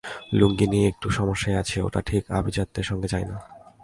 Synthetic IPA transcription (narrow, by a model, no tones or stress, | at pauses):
luŋɡiniek̚ʈuʃɔmoʃːaeat͡ɕʰeo̰ʈa̰ʈʰika̰bʱid͡ʑat̪ːeɾʃɔŋɡed͡ʑajna